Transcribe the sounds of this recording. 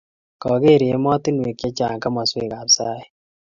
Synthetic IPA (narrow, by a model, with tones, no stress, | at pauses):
kɔ˨ɡe˦˨ɾje˨˦mɔ˦ti˦nwe˨kjɛ˦t͡ʃa̰˨ŋka˦ma˨swe˨ka˨psa˦jɛ˨